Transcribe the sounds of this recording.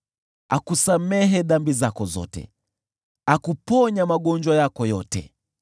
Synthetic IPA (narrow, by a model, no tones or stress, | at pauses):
akusamɛɦɛɗambizakɔzɔ̰tɛ̰ | akupɔɲamaɠɔɲd͡ʒwajakɔjɔtɛ̰